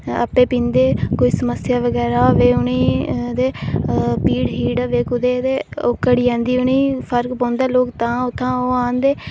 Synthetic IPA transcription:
ə̰pːeːpĩːnd̪eːkoːiːsəməsjaːʋəɡɛːɾaːoːʋeːʊniːd̪eːpiːɽɦiːɖəʋeːkʊd̪eːt̪eːokːəɽiːãːnd̪iːʊniːpʰəɾkpãːnd̪aːloːkt̪ãːʊt̪ʰːãːoːãːnd̪eː

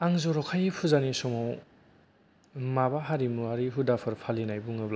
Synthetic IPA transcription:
aŋzɔɾɔkʰajipʰuzanisɔmɔw | mabaɦaɾimuhaɾiɦudapʰɯɾpʰalinajbuŋɯbla

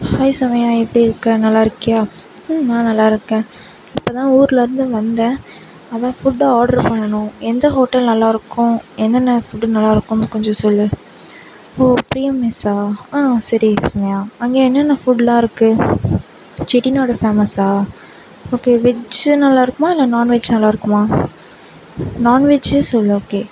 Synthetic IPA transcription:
hɐɪsɐmɐjaːɛpːɐɽiɪɾɯkːɐnɐlːaːɪɾɯkːɐjaː | nãːnɐlːaːɪɾɯkːẽː | ɪpːot̪ãːuːɾlɪɾɯnd̪ɯʋɐnd̪ɛ̃ː | ɐðãːfʊɖaaːɽɐɾpɐɳːɐɳʊ̃ɛnd̪ɐɦoːʈːɐlnɐlːaːɪɾɯkːʊ̃ɛnːɐnːɐfʊɖnɐlːaːɪɾɯkːʊ̃nɯkɔɲd͡ʒɔ̃sɔlːɯ | oːpɾijɐmːɪsaːãːsɐɾisɐmɐjaːɐŋɡeːɛnːɐnːɐfʊɖlãːɪɾɯkːɯ | t͡ʃɪʈinoːɽɐfeːmɐsaː | oːkeːʋɪd͡ʒnɐlːaːɪɾɯkːɯmaːɪlːɐnaːnʋɪd͡ʒnɐlːaːɪɾɯkːɯmaː | naːnʋɪd͡ʒsɔlːɯoːkeː

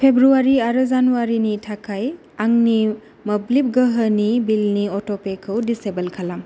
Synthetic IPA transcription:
pʰebɾuaɾiaɾəzanuaɾinitʰakʰaj | aŋni | mɐblip̚ɡəɦənibilniɔtɔpekʰɯwdisebɐlkʰalam

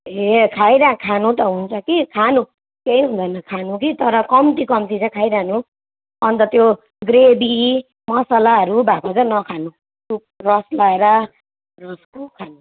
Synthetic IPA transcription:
ɦekʰajɾakʰanũt̪ʌɦunt͡sʰʌkikʰanu | keiɦund̪ʱʌnʌkʰanũkit̪ʌɾʌkʌmt̪ikʌmt̪it͡sʌkʰajɾanu | ʌnt̪ʌt̪jo | ɡrebi | mʌsalaɦʌɾubʱakot͡sʌnʌkʰanu | tu | rʌslaeɾʌ | rʌskokʰanu

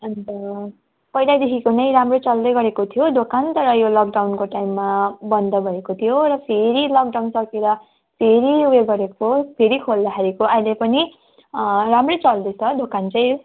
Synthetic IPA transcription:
ʌnt̪ʌ | pʌjlajd̪ekʰikonʌj̃ɾamrot͡sʌld̪ʌjɡʌɾekot̪ʰijod̪okant̪ʌɾʌjolʌk̚ɖawnkoʈajmːabʌnd̪ʌbʱʌekot̪ʰijoɾʌpʰeɾilʌk̚ɖawnsʌkeɾʌ | pʰeɾiweɡʌɾekopʰeɾikʰold̪ʌkʰaɾikoʌjlepʌni | ramrot͡sʌld̪ʌjt͡sʰʌd̪okant͡sʌj̃

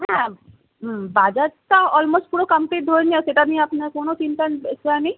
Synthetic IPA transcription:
ɦɛ̃ | baːd͡ʒataɔːlmoːsʈ̚puːɾokɐmpleːʈ̚d̪ʱoːenĩɛseʈanĩɐpnekoːnõt̪iːnkansɛnĩ

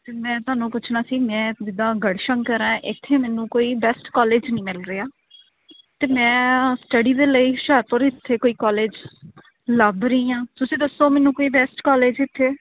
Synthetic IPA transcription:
t̪eːmɛ̃ːt̪ʊaːnũːpʊt͡ʃʰnaːsiːmɛ̃ːd͡ʒɪd̪ãːɡəɽʃəŋkəɾãːʔɪt̪ʰːeːmɛːnũːkoːiːbɛːsʈkɔːleːd͡ʒnəĩːmɪlɾeːaː | t̪eːmɛ̃ːsʈəɖiːd̪eːləiːʃəɾpoːɾɪt̪ʰːeːkoːiːkɔːleːd͡ʒ | ləbɾəĩːãːt̪ʊsĩːd̪əsːoːmɛːnũːkoːiːbɛːsʈkɔːleːd͡ʒɪt̪ʰːeː

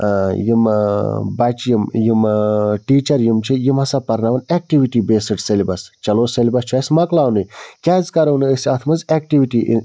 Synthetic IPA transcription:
jim | bɐt͡ʃjimjimʈiːt͡ʃɐɾjimt͡ʃʰijimɦɐsapɐɾnaʋɐnek̚ʈiʋiʈibeːsɨʈselibɐst͡ʃɐloːselibɐst͡ʃʰaːjsʲmɐklaːwnujkʲaːzʲkɐɾɐnɨəsiat̪ʰmɐzek̚ʈiʋiʈḭ

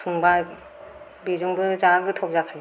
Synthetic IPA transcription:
sʰuŋba | bizuŋbɯzaɡɯtʰɔwp̚zakʰaɡ

